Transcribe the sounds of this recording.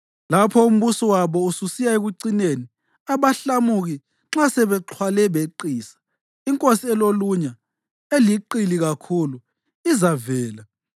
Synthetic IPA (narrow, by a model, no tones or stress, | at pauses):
lapʰɔum̩βusɔwaβɔususijaeɣuǀineni | aβaɬamuɣi | ǁasɛβɛǁʰwalɛβeǃiːsḁ | iŋkʼosiɛloluɲa | eliǃiliɣakʰulu | izavɛːla